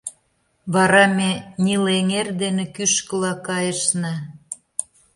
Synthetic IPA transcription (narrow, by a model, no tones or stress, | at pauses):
βɑɾɑmenʲileŋerd̪enekyʃkə̆lɑkɑjə̆ʃnɑ